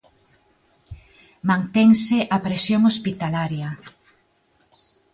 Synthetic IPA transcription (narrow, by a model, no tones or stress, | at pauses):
mãnt̪ɛŋsɪʔapɾesjoŋospit̪alaɾjɐ